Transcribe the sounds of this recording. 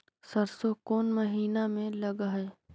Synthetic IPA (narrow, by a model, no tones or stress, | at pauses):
sɐɾsokoːnmɐɦiːnamẽlɐɡɦe